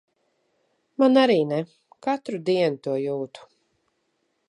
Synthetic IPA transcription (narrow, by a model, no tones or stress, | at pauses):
manaɾiːnɛ | kat̪ɾud̪iɛnut̪uɔjuːt̪u̥